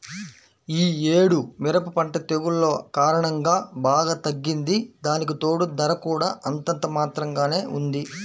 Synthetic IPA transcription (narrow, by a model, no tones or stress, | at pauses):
iːeːɽumɪɾɐpɐpɐɳʈɐt̪eɡulːo̞ːkaːɾɐɳɐŋɡaːbaːɡaːt̪ɐɡːind̪id̪aːnik̬it̪o̞ːɽud̪ɐɾɐkuːɽaːʔɐnt̪ɐnt̪ɐmaːt̪ɾɐŋɡaːne̞ːʔund̪i